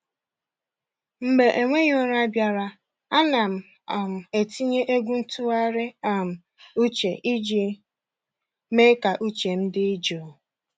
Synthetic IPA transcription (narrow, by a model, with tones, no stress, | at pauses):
m̩˦ɡ͡be˨ʔe˨ŋʷe˦ɲ˦o˦ɾa˦bja˨ɾa˨ | a˦na˨m̩˨ | a˨m̩˨e˨ti˦ɲe˦ʔe˦ɡʷu˦n̩˦tʊ˦a˦ɾɪ˦a˨m̩˨ | u˦t͡ʃe˨ʔi˦d͡ʒi˦ | me˦ka˨ʔu˦t͡ʃe˨m̩˦dɪ˦i˦d͡ʒo˨